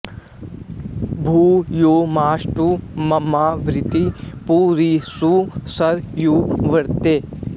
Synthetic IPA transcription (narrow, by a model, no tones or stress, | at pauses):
bʱuːjoːmaːʃʈumɐmaːʋɾɪt̪ipuːɾisusɐɾjuːʋɐɽt̪eː